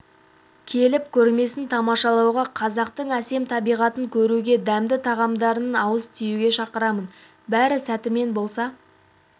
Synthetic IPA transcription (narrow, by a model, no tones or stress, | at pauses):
kʲʰe̞lɪpkʲʰɵɾme̞sɪnt̪ʰɑmɑʃɑlˠɑwʁɑqʰɑzɑqt̪əɴæse̞mt̪ʰɑbijʁɑt̪əŋkʲʰɵɾuɡʲe̞d̪æmd̪ɪt̪ʰɑʁɑmd̪ɑɾəənɑwəst̪ʰijuɡʲe̞ʃɑqəɾɑmən | bæɾɪsæt̪ɪme̞nbo̞lˠsɑ